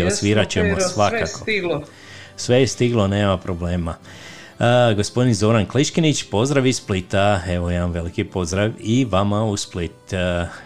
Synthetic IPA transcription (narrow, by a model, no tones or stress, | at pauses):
osʋiɾat͡ɕemosʋakkakoɡ | sʋejest̪iɡlone̞ːmapɾo̞ble̞ːma | ɡospod̪inzo̞ɾankliʃkinit͡ɕpo̞zd̪ɾaʋisplit̪ae̞ʋojemamʋe̞likipo̞zd̪ɾaʋiʋamausplit̪